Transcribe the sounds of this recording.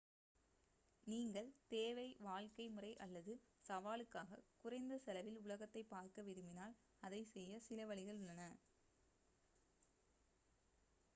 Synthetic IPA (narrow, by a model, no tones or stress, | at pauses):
niːŋɡɐɭt̪eːʋɐɪʋaːlkɐɪmɯrɐɪʔɐlːɐðɯ | sɐʋaːlɯkːaːɣɐ̰kʊrɐɪnd̪ɐsɛlɐʋɪlʊlɐɣɐt̪ːɐɪpːaːɾkɐʋɪɾɯmɪnaːl | ɐðɐɪsɛjːɐsɪlɐʋɐɭɪɣɐɭʊɭːɐnɐ